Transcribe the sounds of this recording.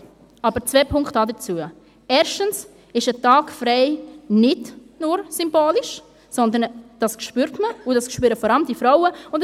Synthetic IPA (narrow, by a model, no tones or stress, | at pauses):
ɑbəɾt͡svɛpʰʊŋktɑdət͡suə | ɛːɾʃtəns | ɪʃətɑːkfɾɛɪnɪdnʊɾsʏmboːlɪʃ | sɔnd̪ənd̥ɑskʃpyːɾtməʊdɑskʃpyːɾəfɔɾɑləmdifɾaʊəʊnd